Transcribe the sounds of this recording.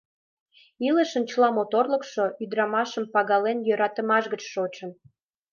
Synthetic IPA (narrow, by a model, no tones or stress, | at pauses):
iləʃə̆nt͡ɕəlɑmot̪orləkʃoʔyd̪ɾɑmɑʃəmpɑɣɑlenjøɾɑt̪əmɑʃɣət͡ɕʃot͡ɕən